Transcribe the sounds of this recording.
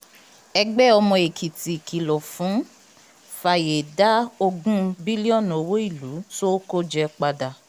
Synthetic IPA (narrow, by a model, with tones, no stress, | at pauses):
ɛ˧ɡ͡bɛ˦ɔ˧mɔ̃˧e˨kʰi˨ti˨ki˨lɔ˨fũ˨˦ | fa˧˨je˨da˦o˧ɡũ˦bi˦li˦ɔ˦˨no˨˦wo˦i˦˨lu˨˦so˦ko˦d͡ʒɛ˧k͡pa˧da˨